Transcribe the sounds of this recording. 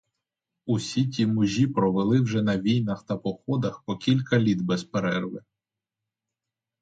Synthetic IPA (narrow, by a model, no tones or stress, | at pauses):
usʲitʲimʊʒʲipɾɔʋelˠɪwʒɛnɐʋʲijnɐxt̪ɐpɔxɔd̪ɐxpɔkʲilʲkɐlʲit̪bɛspeɾɛrʋɪ